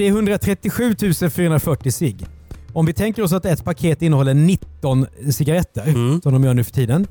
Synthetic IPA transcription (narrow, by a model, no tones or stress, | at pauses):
d̪ɛæɾɦɵnd̪ɾat̪ʰɾɛt̪ːɪɧʉ̟ːt̪ʰʉ̟ːsənfyːɾaɵənd̪ɾafœʈːɪsɪɡ | ɔmvɪt̪ʰɛŋkəɾɔs̬at̪ɛt̪pʰakʰeːt̪ɪnːəhɔlːəɳɪt̪ːɔnsɪɡaɾɛt̪ʰːəɾsɔmd̪ɔmjœːɳʉ̟ːfœ̥ʈʰiːd̪ən